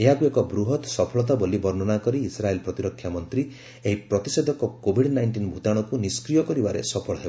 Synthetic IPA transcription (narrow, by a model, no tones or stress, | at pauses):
eɦakuekɔbɾuɦɔt̪sɔpʰɔɭɔt̪̬abɔlibɔɾnɔnakɔɾiːsɾaelpɾɔt̪iɾɔkʰːjamɔnt̪ɾi | eɦipɾɔt̪ised̪ʱɔkɔkobʱiɽnajɳʈinbʱut̪aɽ̃ɔkuniskɾijɔkɔɾibaɾḛsɔpʰɔɭɔɦebɔ